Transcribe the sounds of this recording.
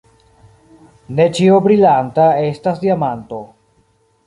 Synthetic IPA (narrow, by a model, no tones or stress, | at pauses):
ne̞t͡ʃiobɾilantae̞stasdiamanto̞